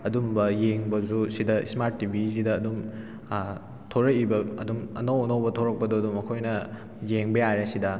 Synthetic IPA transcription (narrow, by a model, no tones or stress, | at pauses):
ɐdumbɐjeŋbɐzusidɐḭsmaɾtːibʱis̬idɐːdum | tʰoɾɐkibɐɐ̰dumɐ̰nɐwɐnɐwbɐtʰoɾɐk̚pɐdoɐdumɐkʰojnɐ | jeŋbejajɾɐsidɐ